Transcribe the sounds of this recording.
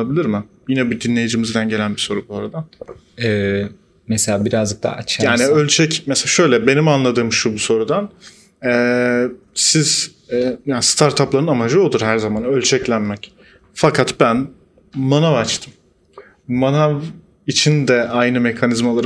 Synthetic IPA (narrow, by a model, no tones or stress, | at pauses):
abilʲiɾmɪ | jinɛbud̪inʲe̞jid͡ʒimɯzd̪anɟelʲænbiso̞ɾubuaɾad̪an | ɛ | mɛselʲaːbiɾazd͡ʒɯk̚t̪ʰa̰t͡ʃʰjaːniølʲt͡ʃʰɛcmɛseaʃø̞jlʲɛbe̞nimanlˠad̪ɯːmʃubuso̞ɾud̪an | ɛː | siz̥ | ɛjaːnst̪ʰaɾt̪ʰaplˠaɾɯnamad͡ʒɯo̞d̪uɾɦæɾzamanølʲt͡ʃʰɛclʲænmɛc | fakʰat̪bæn | manavat͡ʃt̪ʰɯm | manav | it͡ʃʰind̪ɛʔajnɯme̞kʰanizmalˠaɾ